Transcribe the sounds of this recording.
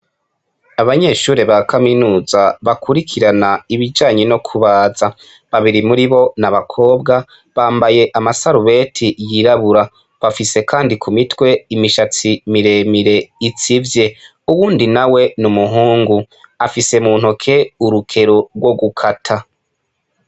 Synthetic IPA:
aβaɲe̞ʃuːɾeβakʰaminuːzaβakʰuɾikʰiɾanaiβid͡ʒaːɲeno̞kʰuβaːza | βaβiɾimuɾiβo̞naβakʰo̞ːbɡa | βaːmbaje̞ʔamasaɾuβe̞ːtʰijiɾaβuɾa | βafise̞kaːndikʰumitwe̞imiʃat͡simiɾe̞miɾe̞it͡sivje̞ | uβuːndinawe̞numuɦuːŋɡu | afise̞muːn̥hokʰe̞uɾukʰe̞ɾoɾɡwo̞ɡukʰatʰa

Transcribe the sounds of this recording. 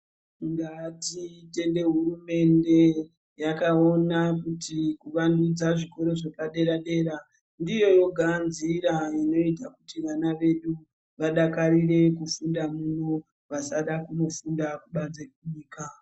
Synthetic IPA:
ŋɡatite̞nde̞ɦurume̞nde̞ | jakao̞nakutikuʋandud͡zaʐiko̞ɾo̞ʐepaɗe̞ɾaɗe̞ːɾa | ndijo̞jo̞ɡʱanziɾaino̞itakutiʋanaʋe̞ɗu | ʋaɗakaɾire̞kufundamuno | ʋasaɗakuno̞fundakuɓad͡zekuɲiːka

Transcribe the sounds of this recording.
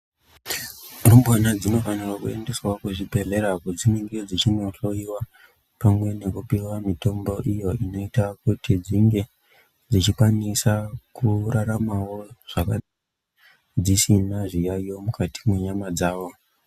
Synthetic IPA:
rombwanad͡zino̞fanirwakue̞nde̞swokuʐibʱe̞ɮe̞ɾakud͡zimiŋɡed͡zit͡ʃinoɬo̞iwa | pamwe̞ne̞kupiwamito̞mbo̞ʔijo̞ino̞itakutid͡ziŋɡe̞ | d͡zit͡ʃikwanisakuraɾamawo̞ʐ̥aka | d͡zisinaʐijajo̞mukʰati̥mweɲamad͡zaːʋo̞

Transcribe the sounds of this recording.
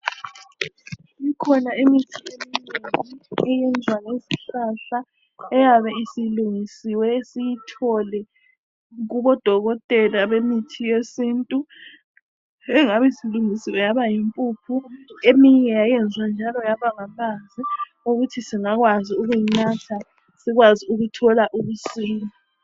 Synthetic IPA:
ikʰɔnaimitʰiemineŋŋiɛjɛnd͡zʱwanesiɬaɬa | ɛjaβɛisiluŋisiwɛesijitʰɔlɛ | ɣuβɔd̥ʱɔɣɔtʼɛlaβemitʰijesiːntʼu | ɛŋaβɛisiluŋisiwɛjaβajimpʼuːpʰuemiɲɛjajɛnd͡zʱwand͡ʒʱalɔjaβaŋamazi | uɣutʰisiŋaɣwaziuɣujinatʰa | siɣwaziuɣutʰɔlaʔuβusiːli

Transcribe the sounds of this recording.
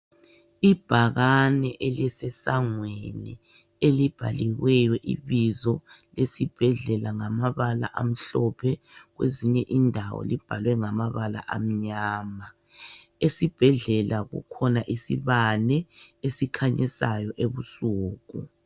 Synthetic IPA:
ib̥ʱaɣanɛʔelɛsɛsaŋwenḭ | elib̥ʱaliɣwɛjɔʔḭβizɔlesib̥ʱɛɮɛlaŋamaβala̰ʔam̩ɬɔpʰɛɣwḛziɲɛʔindʱawɔ̰lib̥ʱalwɛŋamaβala̰ʔam̩ɲaːma | esib̥ʱɛɮɛlaɣṵkʰɔnaʔisiβalɛesikʰaɲɛsajɔʔeβusuːɣu

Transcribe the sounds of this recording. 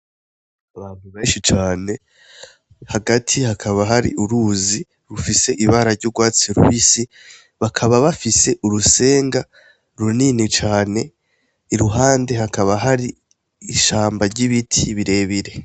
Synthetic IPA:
aβaːn̥huβe̞ːnʃit͡ʃaːne̞ | haɡatʰihakʰaβaɦaɾḭʔuɾuzi | ɾufise̞ʔiβaɾaɾɟuɾɡwaːt͡siɾuwisi | βakʰaβaβafise̞ʔuɾuse̞ːŋɡa | ɾuninit͡ʃaːne̞ | iɾuɦaːnde̞ɦakaβaɦaɾiː | ʃaːmbaɾɟiβitʰiβiɾe̞ːβiɾe̞

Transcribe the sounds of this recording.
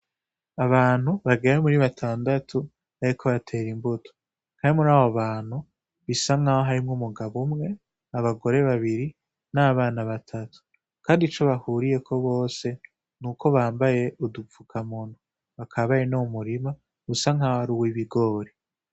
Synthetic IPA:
aβaːn̥huβaɡeɾomuɾiβatʰaːndatʰu | aɾikʰo̞βatʰe̞ːɾimbutʰo̥ | kaːnmuɾaːβoβaːn̥hu | βisaŋahoɦaɾimŋumuɡaβumŋe̞ | aβaɡo̞ɾe̞βaβiɾi | naβaːnaβatʰatʰu̥ | kaːndit͡ʃo̞βahuːɾije̞kʰo̞βo̞ːse̞ | nuːkʰo̞βaːmbaje̞ʔudufukʰamuːnu | βakʰaβajenomuɾima | βusaŋaːhohaɾuwiβiɡo̞ːɾe

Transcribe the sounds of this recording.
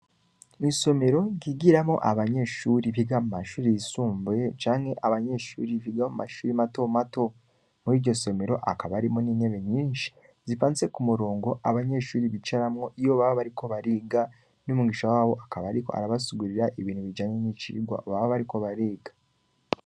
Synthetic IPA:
inso̞me̞ɾo̞ɟiɡiɾamo̞̰ʔaβaɲe̞ʃuɾiβiɡamumaʃuːɾijisuːmbet͡ʃaːŋhe̞ʔaβaɲe̞ʃṵːɾiβiɡaomuma̰ʃuːɾimato̞mato̞ | muiːɾɟo̞so̞me̞ɾo̞ʔakaβaɾimoniːne̞βe̞ɲiːnʃi̥ | zifaːnt͡se̞kumuɾo̞ːŋɡo̞ʔaβaɲe̞ʃuːɾiβit͡ʃaɾamŋo̞ʔijo̞βaβaβaɾiko̞βaɾiɡa | numuɡiːʃawaːβo̞ʔakaβaɾiko̞̰a̰ɾaβasuɡuɾiɾaʔiβiːn̥huβid͡ʒaːɲeniciiɡwa̰oβaβaβaɾiko̞βaɾiːɡḁ

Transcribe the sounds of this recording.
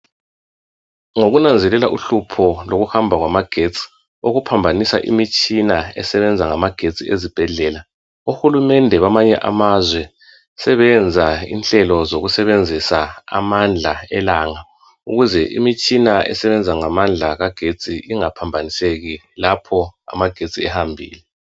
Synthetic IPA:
ŋoɣunand͡zʱɛlɛlaʔuɬupʰɔloɣuhambʱaɣwamaɡ̥ʱet͡sʼi̥ | oɣupʰambʱanisa̰ʔḭmit͡ʃʼinaɛ̰sɛβɛnd͡zʱaŋamaɡ̥ʱet͡sʼḭezib̥ʱɛɮɛːla | uxulumɛndʱɛβamaɲɛ̰ʔa̰mazwɛ | sɛβɛnd͡zʱaḭnɬɛlɔzoɣusɛβend͡zʱisaa̰mand͡ɮʱaɛlaːŋa | uɣuzɛʔḭmit͡ʃʼinaɛ̰sɛβɛnd͡zʱaŋamand͡ɮʱaɣaɡ̥ʱet͡sʼiiŋapʰambʱaniseɣi | lapʰɔa̰maɡ̥ʱet͡sʼiɛhambʱḭːlɛ

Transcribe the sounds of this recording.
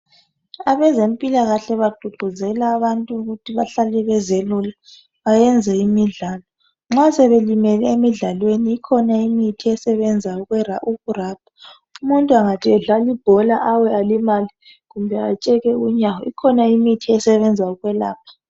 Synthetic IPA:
aβɛzempʼilaɣaɬɛβaɡ͡ǃʱuɡ͡ǃʱuzɛlaːβantʼuuɣutʰiβaɬalɛβɛzelula | βajɛnd͡zʱɛimiɮaːlɔ | ŋ͡ǁasɛβelimɛlɛemiɮalweniːkʰɔnaimitʰiɛsɛβɛnd͡zʱauɣwɛraʔuɣuraːp̚ʰḁ | umuntʼuaŋatʰiɛɮalib̥ʱɔlaʔawɛalimali | ɣumbʱɛat͡ʃʼɛɣɛuɲawɔikʰɔnaimitʰiɛsɛβɛnd͡zʱauɣwɛla̰ːp̚ʰḁ

